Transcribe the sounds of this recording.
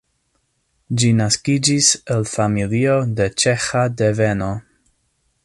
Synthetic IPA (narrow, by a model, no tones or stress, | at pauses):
d͡ʒinaskid͡ʒiselfamilio̞de̞t͡ʃe̞xadeve̞no̞